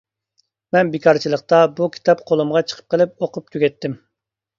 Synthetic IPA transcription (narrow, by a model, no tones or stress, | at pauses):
mɛnbekʰɑɾt͡ʃʰilˠəqt̪ɑbukʲʰi̥t̪ʰɑpqʰolˠumʁɑt͡ʃʰə̥qʰə̥p̚qəlˠɨɪp̚oqʊp̚t̪ʰyɡʲɛt̪ːɪm